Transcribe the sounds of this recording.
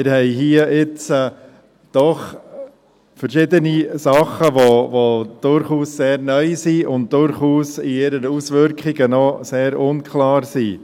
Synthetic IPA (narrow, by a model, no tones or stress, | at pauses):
mɪɾhɛɪɦiəʔɪt͡s | d̥ɔχ | fəɾʃɪd̪ənisɑχəʋovod̪̥ʊɾχuːsːeːɾnœʏsiʊnt̚d̥ʊɾχuːsɪɪɾənusʋʏɾkχɪɡənɔseːɾʊnkʰlɑːɾsi